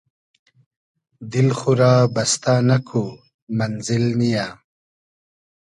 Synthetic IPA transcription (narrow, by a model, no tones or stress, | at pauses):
d̪ilxuɾaːbɐst̪aːnɐkʰu | mɐnzilmijaː